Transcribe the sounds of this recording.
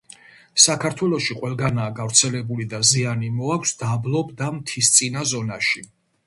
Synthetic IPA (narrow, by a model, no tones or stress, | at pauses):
sakʰaɾt̪ʰwɛlˠɔʃiqʼwɛlˠɡanaːɡavɾt̪sʰɛlɛbulid̪azianimɔakʷʰsd̪ablˠɔbd̪amt̪ʰist̪sʼinazɔnaʃi